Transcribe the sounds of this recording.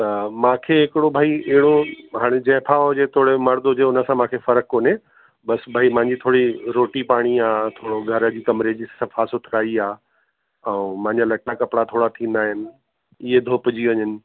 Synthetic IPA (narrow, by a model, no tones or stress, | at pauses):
t̪ɐmãːkʰeɦɪkɪɽobʱaːiɛɦɪɽoɦaːɽ̃ed͡ʑɐ̃ɦpʰaːod͡ʑet̪ʰoːɽemɐɾd̪ɦʊd͡ʑeʊnə̆sãmãːkʰefɐɾəkːoːne | bɐsbʱaːimãɦɪ̃ɲd͡ʑit̪ʰoːɽiɾoːʈipaːɽ̃iaːt̪ʰoːɽoɡʱɐɾə̆d͡ʑiːkɐmɾed͡ʑissãfaːsʊt̪ʰɪɾaːiaː | ɛ̃mãːɪ̃ɲd͡ʑalɐʈːakɐpɪɽat̪ʰoːɽat̪ʰĩːn̆d̪aːɦɪnɪ̆ | ɪɦed̪ʱoːpd͡ʑiʋɐɲənɪ̆